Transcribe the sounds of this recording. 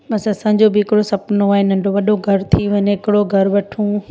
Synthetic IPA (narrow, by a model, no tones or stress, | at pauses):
ɓɐsɐsãːɪ̃ɲ̆d͡ʑobɪɪkɪɽosɐpnoaːen̤ɐ̃ɳɖoʋɐɗoɡʱɐɾt̪ʰiʋɐɲeɪkɪɽoɡʱɐɾʋɐʈʰũ